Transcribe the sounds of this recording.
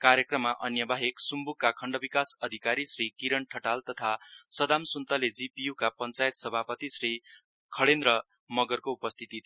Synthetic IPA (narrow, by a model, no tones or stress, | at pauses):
kaɾjʌkrʌmːaʔʌnjʌbʱaɦeksumbukːakʰʌɳɖʌbikasʌd̪ʱikaɾisrikiɾʌɳʈʰʌʈalt̪ʌt̪ʰasʌd̪amsunt̪ʌled͡zipijukapʌnt͡sajet̪sʌbʱapʌt̪isri | kʰʌɽend̪rʌ | mʌɡʌrkoupʌst̪ʰit̪i